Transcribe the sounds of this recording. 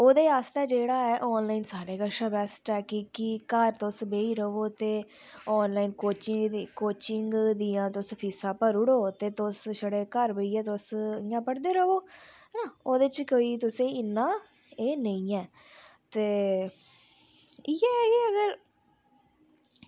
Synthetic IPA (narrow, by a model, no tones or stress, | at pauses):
oːd̪eːaːst̪eːd͡ʒeːɽaːɛːʔɔːnlaːinsaːɾeːkaʃəbɛːsʈɛːkikːikəɾt̪osbeːiːɾəoːt̪eː | ɔːnlaːinkoːt͡ʃɪkoːt͡ʃɪŋɡd̪iːãːt̪ʊspʰiːsãːpəɾʊɽoːt̪eːt̪osʃəɽeːkəɾbəiːɛːt̪osɪjãːpəɽd̪eːɾəʋoː | naoːd̪t͡ʃkoːiːt̪ʊsẽːɪnːãː | eːnəĩːɛː | t̪eː | ijɛːeːəɡəɾ